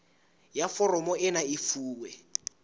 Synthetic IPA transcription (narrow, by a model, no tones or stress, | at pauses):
jafɔrɔmɔʔɪnaifuːwɛ